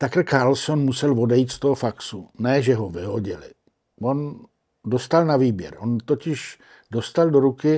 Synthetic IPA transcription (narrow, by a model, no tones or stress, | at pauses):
t̪akl̩kaɾlsonmusɛlvo̞dɛjit̪st̪oɦofaksunɛʒɛɦovɪɦoɟɪlɪ̰ | von | dost̪alnaviːbjɛ̰ɾont̪ocɪʃ | dost̪aldoɾukɪ